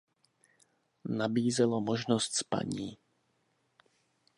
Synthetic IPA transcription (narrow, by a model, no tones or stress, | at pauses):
nabiːzɛlomoʒnost̪spa̰ɲiː